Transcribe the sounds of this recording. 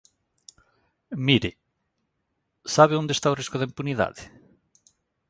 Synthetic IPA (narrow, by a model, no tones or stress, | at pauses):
miɾɪ | saβɪund̪est̪awriskʊðeimpuniða̰ðɪ